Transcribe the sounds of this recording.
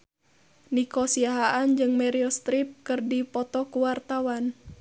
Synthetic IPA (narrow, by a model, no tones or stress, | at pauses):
nikɔsiaɦaʔand͡ʒɨŋmɛɾiɔst̪ɾip̚kɨrdipɔt̪ɔkuwart̪awan